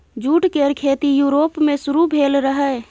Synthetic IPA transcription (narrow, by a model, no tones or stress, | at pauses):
d͡ʒuːʈkeɾkʰeːt̪ijuːɾoːpmẽsʊɾubʱeːlɾəɦɛ